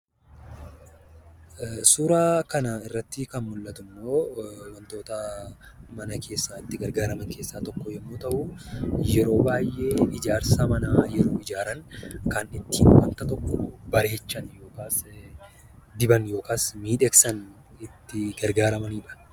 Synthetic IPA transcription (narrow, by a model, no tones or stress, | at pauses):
suːɾaːkɐnaɪrːɐt̪ːɪkɐnmʊlːɐt̪ʊmːo̞ːwɐnt̪o̞ːt̪ɐ | mɐnɐkʰe̞ːsːaːɪt̪ːɪɡɐɾɡaːɾɐmɐŋke̞ːsːaːt̪ɔkːɔjɛmːoːt̪ɐʔʊjɛɾo̞ːbaːjʔːe̞ːɪd͡ʒaːɾsaːmɐnajɛɾoːɪd͡ʒaːɾɐŋkɐnɪt̪ːiːnwɐ̰ŋkɐt̪ɔkːɔbɐɾe̞ːt͡ʃːɐnjo̞ːkaːs | d̪ɪbɐnjo̞ːkaːsmiːᶑɛksɐn | ɪt̪ːɪɡɐɾɡaːɾɐmɐniːᶑɐ̥